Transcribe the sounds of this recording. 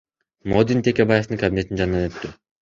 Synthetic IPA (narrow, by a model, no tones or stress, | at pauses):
mod̪int̪ʰe̞kʲebaje̞ft̪ɯŋkɐbʲine̞t̪ind͡ʒɑnnːɑnø̞t̪ːy